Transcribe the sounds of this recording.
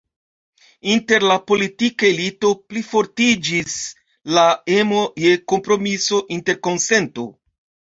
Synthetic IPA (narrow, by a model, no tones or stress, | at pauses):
inte̞ɾlapo̞litikaelito̞plifo̞ɾtid͡ʒis | laemoje̞ko̞mpɾo̞miso̞ʔinte̞ɾko̞nse̞nto̞